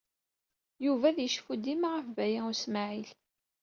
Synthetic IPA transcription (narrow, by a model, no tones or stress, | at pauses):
juvæðjəʃfud̪imaʁəfvæjæusmaʕil